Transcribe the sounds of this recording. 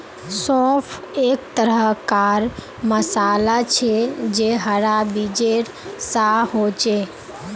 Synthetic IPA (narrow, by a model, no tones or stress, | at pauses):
sɔ̃pʰeːkt̪əɾəkaːɾ | məsaːlat͡ʃʰed͡ʒeɦəɾabid͡ʒeɾ | saɦoːt͡ʃe